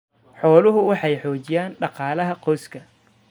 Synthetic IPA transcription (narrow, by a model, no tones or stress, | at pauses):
ħɔːlʊɦʊwɑħɑjħɔːt͡ʃɪjaːnɖɑqɑːlɐɦɐqɔːskʰɐ